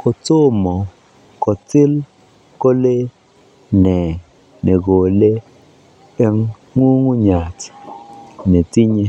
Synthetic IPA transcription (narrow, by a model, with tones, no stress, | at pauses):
kɔ˨to˦mɔ˨ | kɔ˨tɪ˦l | ko˦le˦ | nɛ˨ | ne˨ɡo˨le˦ | ɛ˦ŋ | ŋu˦ŋu˦ɲa˨t | ne˨ti˦ɲe˦